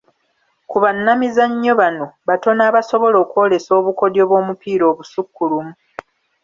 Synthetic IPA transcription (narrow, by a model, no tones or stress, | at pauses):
kuβanːamizaɲːo̞βano̞βato̞naːβaso̞βo̞lo̞ːkwo̞ːle̞so̞ːβuko̞djo̞ːβwo̞ːmupiːɾo̞ːβusukːulumu